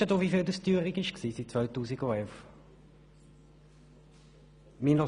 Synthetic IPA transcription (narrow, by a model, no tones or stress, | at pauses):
ədoʋifiːld̪əstyːʁɪkɪʃksiːsit̚t͡svœɥtuːsiɡoɛlf | minɑ